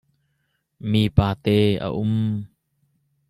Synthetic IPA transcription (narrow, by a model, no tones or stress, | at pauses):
miːpaːt̪ɛːʔə̰ʔʊm